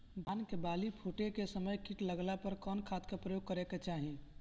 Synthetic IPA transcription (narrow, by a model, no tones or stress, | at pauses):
bʱaːnkebaːlipʰuʈekesəməjkiʈləɡlapəɾkɔːnkʰat̪kepɾəjoɡ̚kəɾeket͡ʃaːɦĩ